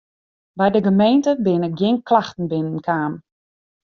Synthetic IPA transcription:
bɛjdəɡəmejntəbɪnək̚ɡjɪnklaxtn̩bɪnən̩kʰaːm

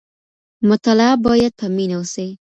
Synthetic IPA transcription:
mʊt̪alabɑjad̪̚pʰaminawose

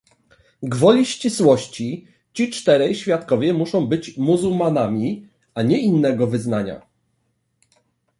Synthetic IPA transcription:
ɡvɔlʲiɕt͡ɕiswɔɕt͡ɕi | t͡ɕit͡ʂt̪ɛɾɛjɕfʲjat̪kɔvʲjɛmuʂɔ̃w̃bɘt͡ɕmuzuwmanamʲi | aɲɛinːɛɡɔvɘznaɲa̰

